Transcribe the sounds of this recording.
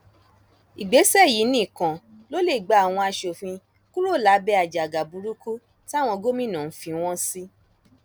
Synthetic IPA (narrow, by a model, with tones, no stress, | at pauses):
i˨ɡ͡be˨˦sɛ˦˨ji˨˦nĩː˦˨kã˨ | lo˦le˦˨ɡ͡ba˨˦a˦˨w̃ɔ̃˧a˧ʃo˨fĩ˧ | ku˦ɾo˦˨la˨˦bɛ˧˦a˨d͡ʒa˨ɡa˨bu˧ɾu˦ku˦ | ti˦a˦˨w̃ɔ̃˧ɡo˦mĩ˦˨nã˨n̩˦fĩ˧˦w̃ɔ̃˦si˦